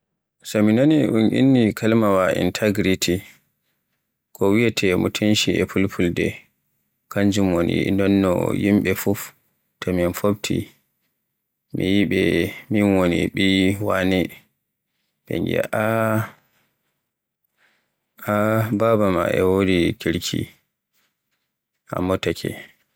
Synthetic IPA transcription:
sɔminoniʔunʔḭnːikʰalmawaʔḭntʰaɡɾitʰi | kʰɔwijatʰɛmutʰenʃiɛ̰pulpʰuldɛ | kaɲd͡ʒumonḭndɔnːɔ̰jimɓɛfuf | tʰɔminfob̚tʰḭ | mijiɓɛminwonḭɓiwani | bɛ̰ŋɡɛ̰ʔa | ababama̰ʔɛ̰wodikiɾkʰḭ | ha̰mːɔtakʰɛ̰

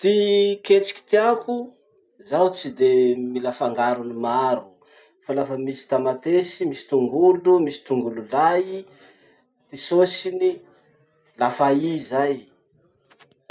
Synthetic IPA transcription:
t̪iket͡si̥kʲi̥t̪iaku | zawt͡sid̪emilafaŋɡaɾunimaɾu̥ | falafəmisi̥t̪amat̪esimisi̥t̪uŋɡulumisi̥t̪uŋɡululai | t̪isosini | lafaizaj

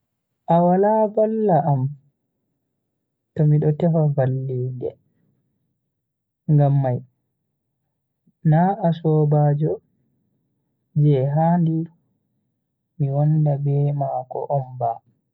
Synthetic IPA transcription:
ʔawalavalːaʔam | tɔmiɗɔtɛfavalːiːndɛ̰ | ŋɡamːaj | naːasɔːbaːd͡ʒɔ | d͡ʒɛɦaːndi | miwɔndabɛmaːkɔ̰ʔɔmba

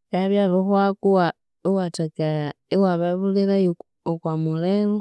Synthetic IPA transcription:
kaβjaβoxwakuwa | iwatakaiwaβaβulila | okwamulelo

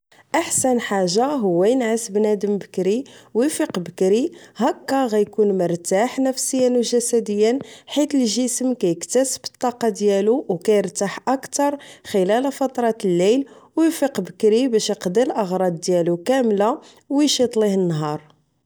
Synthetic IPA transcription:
ʔaħsænħaʒːaɦʊwːæjnʕəsbnæd̪əmbəkɾiwifiqbəkɾiɦækːæɣæjkunməɾˤt̪aħnəfsəjːənwʒæsæd̪əjːənħit̪əlʒəsəmkæjəkt̪æsəbə̥t̪ˤːɑqɑd̪jæluwkæjəɾt̪aħʔækt̪ɑɾˤxəlælfɑt̪ˤɾˤɑt̪əlːæjl | wjfiqbəkɾibæʃjqd̪əlʔəɣɾˤɑd̪̚d̪jælukæmla | wjʃit̪ˤlihənːɦɑɾˤ

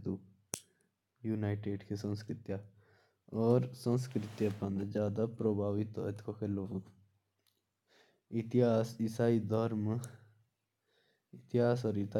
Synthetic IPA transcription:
d̪u | juːnaːɪʈeːɖkʰesə̃nskɾɪt̪ja | ɔːɾsə̃nskɾɪt̪japɐ̃nd̪d͡ʒjaːd̪apɾoːbʱaːʋit̪ɔ̰et̪kʰokeloː | ɪt̪ɪɦaːsɪsaːid̪ʱɔɾm | ɪt̪ɪɦaːs̬ɔːɾit̪a

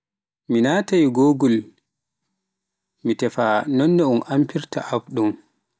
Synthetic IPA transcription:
minaːtajiɡoːɡul | mitɛfanɔnːɛumʔampiɾta̰ʔabɗum

